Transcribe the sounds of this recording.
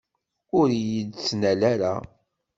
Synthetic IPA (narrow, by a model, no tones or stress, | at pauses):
ʊɾjəd̪t͡sːnælæɾa